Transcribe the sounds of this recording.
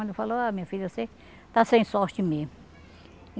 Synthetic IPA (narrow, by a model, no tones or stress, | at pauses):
d̪efaloamĩɲɐfiʎose | t̪asẽj̃sɔɾt͡ʃɪme